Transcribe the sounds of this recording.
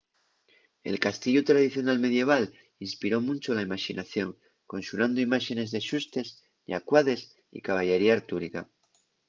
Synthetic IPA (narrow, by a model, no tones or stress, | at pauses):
e̞̰lkast̪iʝot̪ɾað̞iθjo̞nalme̞ð̞je̞β̞al | inspiɾo̞mũnt͡ʃolaimaʃinʔaθjo̞ŋ | ko̞nsuɾand̪oimaʃe̞ne̞zðe̞ʃust̪e̞s | ʎa̰kwaðe̞s | ḭkaβ̞aʝe̞ɾiaɾt̪uɾika